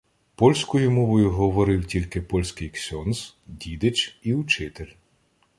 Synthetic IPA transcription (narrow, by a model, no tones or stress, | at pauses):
pɔlʲsʲkɔjʊmɔʋɔjʊɦɔʋɔɾɪwtʲilʲkɪpɔlʲsʲkɪjksʲɔnz | dʲid̪ɪt͡ʃiʊt͡ʃɪt̪elʲ